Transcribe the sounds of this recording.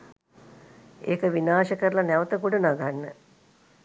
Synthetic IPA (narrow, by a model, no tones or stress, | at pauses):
eːkəʋinaːʃəkəɾəlanɛʋət̪əkuɖənaɡʱanːə